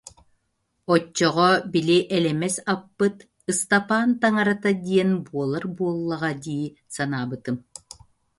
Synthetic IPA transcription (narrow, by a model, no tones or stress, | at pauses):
ɔt͡ɕːɔʁɔbiliʔɛlɛmɛsapːɯt̪ | ɯst̪apaːnt̪aŋaɾat̪ad̪iɛnbuɔlˠaɾbuɔlˠːaʁad̪iː | sanaːbɯt̪ɯm